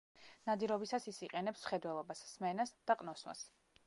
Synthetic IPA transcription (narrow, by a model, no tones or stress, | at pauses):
nad̪iɾɔbisasisiqʼɛnɛpsmχɛd̪wɛlˠɔbasːmɛnasd̪̥aqʼnɔswa̰s